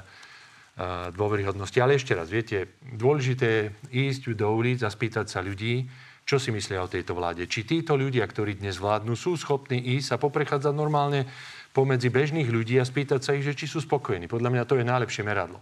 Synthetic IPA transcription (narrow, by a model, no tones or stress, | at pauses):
d̪ʊɔʋɛɾiɦɔd̪nɔscialɛɛʃcɛɾa̰zʋɪɛcɛd̪ʊɔlɛʒit̪̬ɛːjɛiːzɟd̪ɔuːliːd͡zaspiːt̪acsaʎuɟiː | t͡ʃɔsimislɪaɔt̪ɛjt̪ɔʋla̰ːɟɛt͡ʃit̪iːt̪ɔʎuɟɪakt̪ɔɾiːd̪ɲɛzʋlaːd̪nuːsuːsxɔpniːʔiːzapɔpɾɛxaːd͡zaɟnɔɾmaːlɲɛ | pɔmɛd͡zibɛʒniːɣʎuɟiːaspiːt̪acsaiɣʒɛt͡ʃisuːspɔkɔjɛniːpɔd̪ʎlamɲat̪ɔjɛnajlɛpʃɪɛmɛɾa̰d̪lɔ̰